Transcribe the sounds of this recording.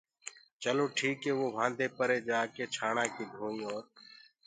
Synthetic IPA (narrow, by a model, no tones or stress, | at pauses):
t͡ʃəloːʈʰiːkeːʋoːʋʱãːnd̪ʱeːpəɾeːd͡ʒaːkeːt͡ʃʰaːɳãːkiːd̪ʱũːĩːoːɾ